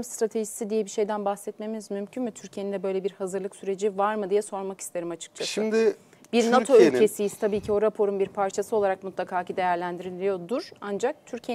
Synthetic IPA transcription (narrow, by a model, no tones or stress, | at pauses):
mst̪ɾat̪ʰeʒisid̪ijɛbiʃe̞jd̪ænbaxsɛt̪me̞minizmymcʰynmyt̪ʰyɾcʰije̞nind̪ɛbø̞jlʲebiɾhazɯɾlˠɯksyɾe̞d͡ʒivaɾmɯd̪ijɛso̞ɾmaki̥st̪ʰe̞ɾimat͡ʃʰɯ̥k̚t͡ʃʰasʃɯmd̪ɪ | b̥iɾnat̪ʰoylʲcʰesijiz̥t̪ʰabiːcʰio̞ɾapʰo̞ɾunbiɾpʰaɾt͡ʃʰasɯo̞lˠaɾakmut̪lˠakʰaːcid̪e̞jæɾlʲænd̪iɾilʲijo̞d̪uɾand͡ʒak̚t̪ʰyɾcʰie